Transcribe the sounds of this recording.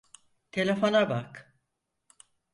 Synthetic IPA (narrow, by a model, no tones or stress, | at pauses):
t̪ʰe̞lʲefo̞nabak